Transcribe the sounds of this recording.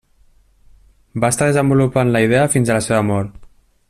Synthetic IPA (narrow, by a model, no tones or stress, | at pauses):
bast̪aðəzəmbulupanləiðɛəfinzələseβəmɔɾ